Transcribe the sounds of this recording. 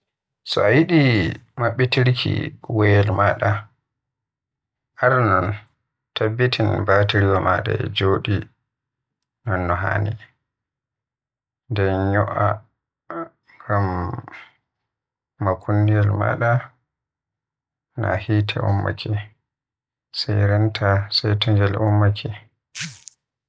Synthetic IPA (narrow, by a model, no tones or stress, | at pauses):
sɔajiɗimaɓːitiɾkʰḭwɛjɛlmaːɗa | ʔaɾnɔn | tabːitʰinbatiɾiwamaɗa̰ɛ̰d͡ʒoːɗi | nɔnːɔɦa̰ni | ndɛɲɔʔa | ɡam | akʰundijalma̰ːɗa | na̰hiːtʰɛ̰ʔumːa̰kʰi | sajɾɛntʰasajtɔŋɡɛlʔumːakʰi